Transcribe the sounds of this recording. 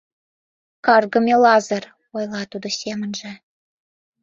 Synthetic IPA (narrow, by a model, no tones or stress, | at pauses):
kɑrɣə̆mʲelɑzə̆r | ojlˠɑt̪ud̪ŏsʲemə̆nʒĕ